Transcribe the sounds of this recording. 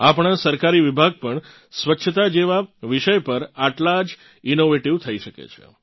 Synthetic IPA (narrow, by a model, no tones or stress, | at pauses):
apɳ̃asəɾkaɾiʋibʱaɡ̚pəɳ | sʋətːʃʰət̪ad͡ʒeʋaʋiʃəjpəɾaʈlad͡ʒ | inoʋeʈiʋt̪ʰəiʃəkḛt͡ʃʰḛ